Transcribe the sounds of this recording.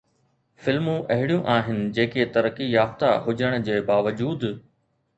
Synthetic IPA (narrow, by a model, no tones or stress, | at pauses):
fɪlmũʔɐɦɪɽijũʔaːɦɪnɪ̆d͡ʑeːket̪ɐɾəkijaːft̪aɦʊd͡ʑəɽ̃̆d͡ʑeːbaːʋəd͡ʑuːd̪